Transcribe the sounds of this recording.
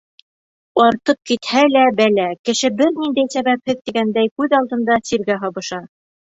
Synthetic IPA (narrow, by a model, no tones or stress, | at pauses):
ɑɾt̪ɤp̚kit̪hælæbælækɘ̆ʃɘbɘɾnind̪æjsæβæp̚hɘðt̪iɡænd̪æjkʉðɑlˠd̪ɤ̆nd̪ɑsiɾɡæɦɑβɤ̆ʃɑ